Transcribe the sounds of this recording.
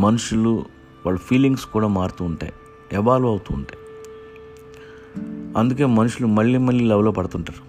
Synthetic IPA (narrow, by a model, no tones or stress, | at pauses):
mɐnuʂulu | ʋaːɭːɐpʰiːliŋɡskuːɽaːmaːɾut̪uːɳʈa̰ːji | ɛʋaːluɐwut̪uːɳʈaːj | ɐnd̪uk̬e̞ːmɐnuʂulumɐɭːiːmɐɭːiːlɐʋɐlo̞ːpɐɽɐt̪uɳʈaːɾu